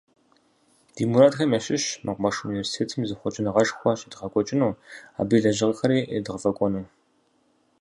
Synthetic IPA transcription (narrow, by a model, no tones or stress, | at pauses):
d̥imuɾaːtxɐmɐɕɪɕmɐqʷmɐʂunivʲersi̥tʰeːtʰɨmzɨχʷʊt͡ʃʼɪnɨʁɐʃxʷɔɕʼɪdʁɐkʷʼɔt͡ʃʼɪnuːa̰ːbiːɮɐʒɪʁəxɐɾiːḛdɨʁəfɐkʷʼɔnuː